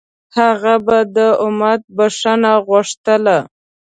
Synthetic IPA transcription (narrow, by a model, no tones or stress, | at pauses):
haɣabad̪əʊmat̪̚baʂanaɣʊʂt̪əla